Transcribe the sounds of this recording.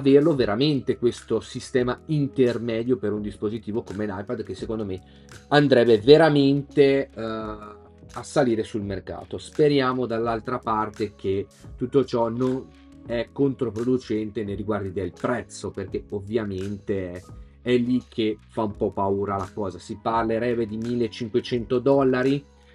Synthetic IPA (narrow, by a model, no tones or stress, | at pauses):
averloveɾament̪ekwest̪osist̪ɛːmaint̪ermɛːd̪jopeɾund̪ispozit̪iːvokomenajpad̪k̟esːekond̪ome | and̪ɾɛbːeveɾament̪e | asaliːɾesulmerka̰ːt̪ospeɾjaːmod̪alːalt̪ɾapart̪ek̟ʰet̪ut̪ːot͡ʃɔnon | ɛkːont̪ɾopɾod̪ut͡ʃɛnt̪enejɾiɡward̪id̪elpɾɛt̪sːoperkeovːjament̪e | ɛlːikʰːefaumpɔpːauːɾalakɔːzasiparleɾɛbed̪imilːet͡ʃːiŋkwet͡ʃɛnt̪od̪ɔlːaɾi